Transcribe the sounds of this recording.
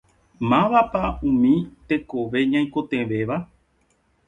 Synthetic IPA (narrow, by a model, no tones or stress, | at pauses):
mãʋapaũmĩt̪e̞koʋe̞ɲãj̃ko̞t̪ẽ̞ʋe̞ʋa